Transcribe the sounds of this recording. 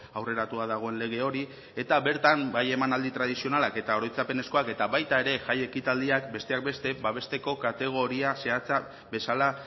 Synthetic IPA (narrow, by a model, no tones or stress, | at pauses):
awre̞ɾat̪uaðaɣ̞o̞e̞nle̞ɣ̞e̞o̞ɾi | e̞t̪aβe̞ɾt̪ambaje̞manald̪it̪ɾað̞isio̞nalake̞t̪aoɾo̞jt͡sape̞ne̞sko̞ake̞t̪aβajt̪ae̞ɾe̞ʝaje̞kit̪ald̪iakbe̞st̪e̞ak̚be̞st̪e̞baβ̞e̞st̪e̞ko̞kat̪e̞ɣ̞o̞ɾiase̞at͡sa | be̞sala